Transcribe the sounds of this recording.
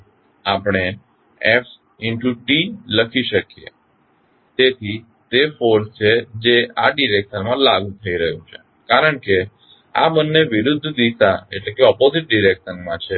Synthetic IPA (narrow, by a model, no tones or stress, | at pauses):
apɽ̃e | ɛf | ɪɳʈuʈiləkʰiʃəkijḛ | t̪et̪ʰi | t̪efoɾst͡ʃʰed͡ʒeaɖiɾekʃənmãlaɡũt̪ʰəiɾəɦjũt͡ʃʰe̥ | kaɾəɳke | a̰bənːeʋiɾud̪ʱːd̪isaḛʈlekeɔpozɪʈ̚ɖiɾekʃənmãt͡ʃʰe